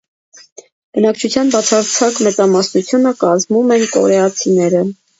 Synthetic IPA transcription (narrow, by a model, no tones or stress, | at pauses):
b̥ənɑkt͡ʃʰut͡sʰjɑnbɑt͡sʰɑɾt͡sʰɑkmɛt͡sɑmɑsnut͡sʰjunəkɑzmumɛnkɔ̰ɾɛɑt͡sʰinɛɾə